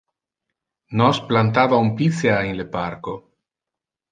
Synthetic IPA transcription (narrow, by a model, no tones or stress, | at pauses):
nosplant̪aβaumpit͡seaeŋlepaɾko